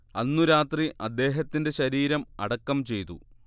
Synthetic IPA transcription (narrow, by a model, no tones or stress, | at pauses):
ɐnːuɾaːt̪riʔɐd̪ːe̞ːɦɐt̪ːinde̞ɕɐɾiːɾɐmɐ̰ɽɐkːɐmt͡ɕe̞jt̪ṵ